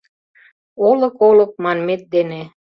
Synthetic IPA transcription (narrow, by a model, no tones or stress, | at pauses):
olə̆kolɤ̆k̚mɑnmet̪̚d̪ene